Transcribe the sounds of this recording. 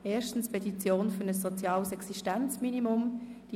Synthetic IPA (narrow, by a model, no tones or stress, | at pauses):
ɛːʃtn̩spʰɛtit͡sjoːnfʏɵnəsːot͡sjɑːlsɛksiʃtant͡sminimʊmd̥i